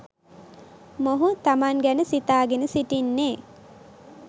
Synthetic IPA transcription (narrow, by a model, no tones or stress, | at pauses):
moɦut̪amaŋɡænəsit̪aːɡenəsiʈinːeː